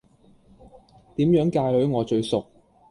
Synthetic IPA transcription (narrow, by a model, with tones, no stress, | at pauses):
t̪iː˨˥mjœː˨˥ŋkaː˧jlɵ˨˥ɥŋɔː˨˧t͡ʃɵ˧ɥsʊ˨k̚